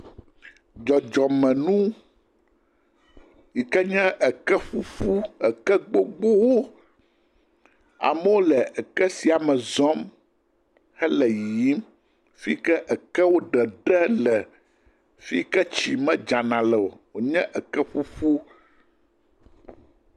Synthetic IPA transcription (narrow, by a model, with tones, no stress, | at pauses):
d͡ʒɔ˨d͡ʒɔ˨mɛ̃˨nũ˦ | ji˨kɛ˦ɲɛ̃˦ʔə˨kɛ˦ɸu˦fu˦ə˨kɛ˦ɡ͡bo˦ɡ͡bo˦wo˦ | a̰˨mə˦wo˦lɛ˨ə˨kɛ˦si˨a˨mɛ̃˨zɔ˦m | hɛ˦lɛ˨ji˨˦m | fi˦kɛ˦ʔə˨kɛ˦wo˦ɖɛ˨ɖɛ˦lɛ˨ | fi˦kɛ˦t͡ɕi˨mɛ̃˦d͡ʒa˨nã˨lɛ˨wo˨wo˨ɲɛ̃˦ʔə˨kɛ˦ɸu˦ɸu˦